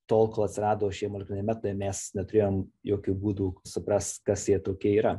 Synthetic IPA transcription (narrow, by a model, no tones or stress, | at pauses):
t̪oːlˠkoːlˠɐt̪ʲsʲɪɾɑːd̪oːʋoʃʲiɛjɛmolʲɪknʲnʲɛmʲæːt̪ojmʲɛsnʲɛt̪ʊɾʲeːjoːmjoːkʲuːbuːd̪uːsʊpɾɐst̪kɐsjiɛt̪oːkʲiɛiːɾɐ